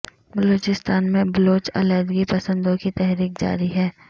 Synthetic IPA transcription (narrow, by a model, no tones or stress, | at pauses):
bɐloːt͡ʃɪst̪aːnmẽbɐloːt͡ʃɐ̰lɛːd̪ɡipɐsə̃nd̪õkit̪ɛɦɾiːk̚d͡ʒa̰ːɾiɦɛː